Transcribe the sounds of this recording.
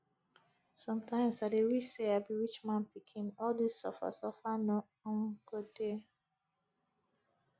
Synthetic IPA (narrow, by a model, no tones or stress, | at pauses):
sɔ̃mtʰãɪ̃msadewiseabiwit͡ʃmãnpikʰĩnɔldisːɔ̰fa̰sɔfanɔ | ŋ̩kode